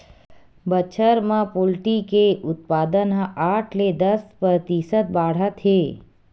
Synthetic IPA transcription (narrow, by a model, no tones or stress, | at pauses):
bət͡ʃʰəɾmãpolʈikeʔʊt̪̚pad̪ənɦʔaʈʰled̪əspɾət̪isət̪̚baɽ̤at̪ʰe